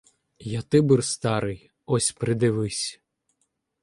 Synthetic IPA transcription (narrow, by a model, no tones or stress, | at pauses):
jat̪ɪbɨrst̪ɑɾɪj | ɔsʲpɾɪd̪ɪʋɪsʲ